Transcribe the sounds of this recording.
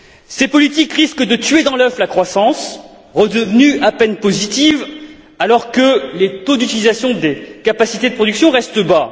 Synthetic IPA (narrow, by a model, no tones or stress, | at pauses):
sepɔlit̪̬ikʁiskd̪ət̪ɥed̪ɑ̃lœflakχwasɑ̃s | ʁəd̪əvnyapɛnpozit̪iv | alɔʁkəlet̪od̪yt̪ilizasjɔ̃d̪ekapasit̪ed̪əpχɔd̪yksjɔ̃ʁɛst̪əba